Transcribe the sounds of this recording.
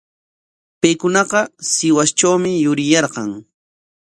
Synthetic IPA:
pajkʊnɑqɑsɪwast͡ʃawmɪjʊɾɪjɑɾqɑŋ

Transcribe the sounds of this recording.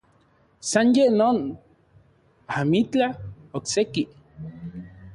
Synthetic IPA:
sanjeʔnoːn | amit͡ɬaokseki

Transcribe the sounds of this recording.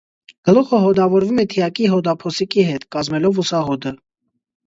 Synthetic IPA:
ɡ̥əlɔχəɦɔd̪ɑvɔɾvumɛt̪ʰijɑkiɦɔd̪ɑpʰɔsikiɦɛt̪kɑzmɛlɔvusɑɦɔd̪ə

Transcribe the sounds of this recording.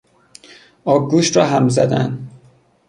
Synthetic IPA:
ɒːɡuːʃt̪rɒːɦæmzæ̰d̪æ̰nd̪

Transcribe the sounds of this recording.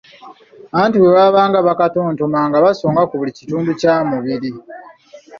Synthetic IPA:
aaːntuweβaβaːŋɡaβakatoːntomaːŋɡaβasoːŋɡakuβulicituːnducaːmuβiɾi

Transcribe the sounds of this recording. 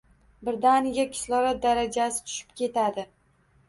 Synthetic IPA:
bɪɾd̪anɪɡʲakʲʰɪ̥slɒɾat̪̚d̪aɾad͡ʒasɪ̥t̪ʰʊ̥ʃɪ̥p̚kʲʰe̞t̪ʰad̪ɪ

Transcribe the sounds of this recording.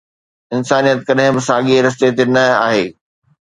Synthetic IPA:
ɪnsaːnijət̪kɐɗɦɪ̃bɪsaːɠieɾɐs̬t̪et̪enɐa̰ːɦeː

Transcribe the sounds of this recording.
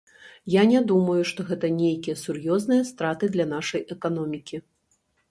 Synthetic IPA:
janʲad̪umɐjuʂt̪ɔɣɛt̪ɐnʲejkʲijɐsurjɔznɨjɐst̪ɾat̪ɨd̪lʲɐnaʂɐjɛkanɔmʲikʲi

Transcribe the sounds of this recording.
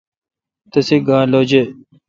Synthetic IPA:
t̪əsiːɡãːloːd͡ʑeː

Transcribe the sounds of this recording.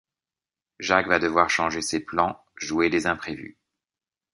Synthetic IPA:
ʒakvad̪əvwaʁʃɑ̃ʒeseplɑ̃ | ʒued̪ezɛ̃pχevy̰

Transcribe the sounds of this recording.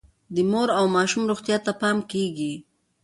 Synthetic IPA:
d̪əmoɾawmɑʃumɾuxt̪jat̪apɑmkeɡi

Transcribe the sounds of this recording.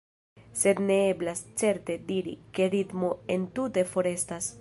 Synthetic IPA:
se̞d̪ne̞e̞blast͡se̞ɾte̞diɾḭke̞ɾitmo̞e̞ntute̞fo̞ɾe̞stas

